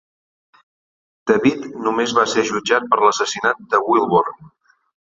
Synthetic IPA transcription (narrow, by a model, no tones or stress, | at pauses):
d̪̥əβit̪numezβasɛʒud͡ʒat̪̚pəɾləsəsinat̪̚d̪əwilˠβoɾn